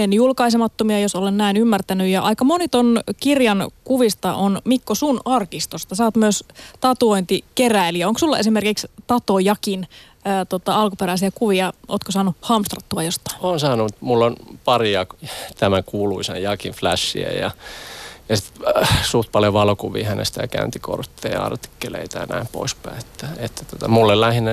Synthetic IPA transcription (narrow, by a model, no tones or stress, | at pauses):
enjulkɑis̬emɑt̪ːomiɑjosolennæinymːært̪ænyjɑʔɑikɑmonit̪onkirjɑnkuʋist̪ɑʔonmikːosunɑrkist̪ost̪ɑsɑːt̪myøst̪ɑt̪uoint̪ikeræiliæoŋksulːɑe̞sime̞rkikst̪ɑt̪ojɑkinː | t̪ot̪ɑɑlkupeɾæisiækuʋiɑʔoːt̪kosɑːnuhɑmst̪rɑt̪ːuɑjost̪ːˑɑ̥oːnsɑːnut̪mulːonpɑriɑt̪æmækuːluisɑ̰jjɑkinflæsːḭæ̰jɑ̰ | jɑsit̪suht̪̚pɑljoʋɑlokuʋḭːhænḛst̪æjɑkæ̰ynt̪iko̰rt̪ːeːjɑ̰rt̪i̥kːelḛit̪ænæimpo̰ispæiet̪ːæ̥et̪ːæ̥t̪ot̪ɑmulːellæhinːe